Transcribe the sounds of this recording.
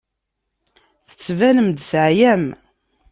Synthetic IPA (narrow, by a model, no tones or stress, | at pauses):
θə̥t͡sːvænəmd̪θʕjæm